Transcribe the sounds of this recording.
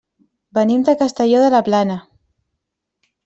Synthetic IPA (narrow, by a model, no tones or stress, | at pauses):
benimd̪ekast̪eʎoðelaplana